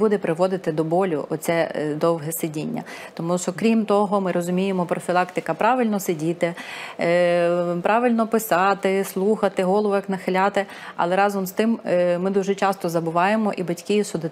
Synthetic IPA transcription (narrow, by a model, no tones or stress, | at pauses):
bud̪ɛpɾʔɪʋɔd̪ɪt̪ɪd̪ɔbɔlʲʊ̰ʔɔt̪sʲɛd̪ɔwɦɛsɪdʲinʲːɐ̰ | t̪ɔmuʃɔkɾʲimt̪ɔɦɔmɪɾɔzʊmʲijemɔpɾɔfʲilˠɑkt̪ɪkɐpɾɑʋɪlʲnɔsɪdʲit̪ɪ | pɾʔɑʋɪlʲnɔpɪsɑt̪ɪslˠuxɐt̪ɪɦɔlˠɔʋɔjɐknɐxɪlʲɑt̪ɪ | ɐ̰lˠɛɾɑzɔmst̪ɪmmɪd̪uʒɛt͡ʃɑst̪ɔzɐbʊʋɑjemɔʔibɐtʲkʲijsʊd̪ɪ